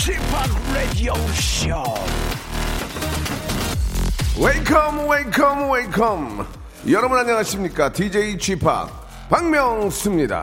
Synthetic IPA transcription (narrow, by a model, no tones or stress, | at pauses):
t͡ʃʰipʰakɹedioʃo | welkʰʌmwelkʰʌmwelkʰʌm | jʌɾʌbɯnaɲʌŋɦaɕʰimɲik͈atid͡ʑeit͡ɕʰwipʰa̰k̚ | paŋmjʌŋs͈ʰɯmɲida̰